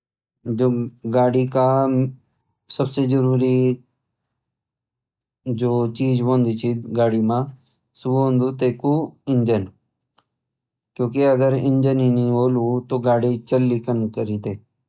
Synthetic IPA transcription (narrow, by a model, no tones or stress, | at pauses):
d͡ʒoːɡaːɽika | sɐbsezɐɾuːɾi | d͡ʒoːt͡ʃiːd͡ʒɦõːnd̪it͡ʃʰiɡaːɽimã | suɦõːnd̪ut̪eːkuɪ̃ɲd͡ʒən | kjõːkiɐɡəɾɪ̃ɲd͡ʒənɦinĩɦoːlut̪oːɡaːɽit͡ʃəlːikənkəɾiːt̪eː